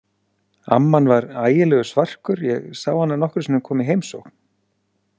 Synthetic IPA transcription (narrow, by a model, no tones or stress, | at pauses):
a̰mːanvaɾaːjɪlɛːɣʏsvar̥kʏɾjɛɣsaːwhanːanɔhkɾsinʏmkʰɔːmɪɦejmsowkn̥